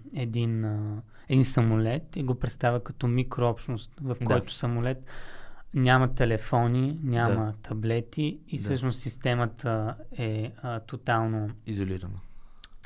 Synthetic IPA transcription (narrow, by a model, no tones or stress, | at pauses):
ɛd̪in | ɛd̪insɐmolɛt̪iɡopɾɛt̪st̪avʲəkɐt̪ɔmikɾoɔpʃnost̪vɐfkɔjt̪ʊ̥sɐmolɛt̪ | nʲamət̪ɛlɛfɔninʲamət̪ʰɐblɛt̪iːsɤʃnossist̪ɛmət̪ʰəɛət̪ot̪alˠnoizoliɾənə